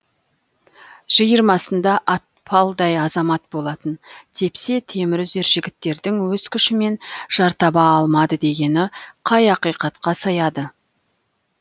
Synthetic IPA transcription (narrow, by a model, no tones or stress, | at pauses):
ʒ̥əjəɾmɑsənd̪ɑʔɑt̪̚pʰɑlˠd̪ɑjɑzɑmɑt̪̚bo̞lˠɑt̪ənt̪ʰe̞pse̞t̪ʰe̞mɪɾʏzd̪e̞ɾʒɪɡʲɪt̪ːe̞ɾd̪ɪŋwɵz̥kʲʰʏʃɪme̞nʒ̥ɑɾt̪ɑbɑːlˠmɑd̪əd̪e̞ɡʲe̞nɪqʰɑjɑqijqɑt̪qɑsɑjɑd̪ə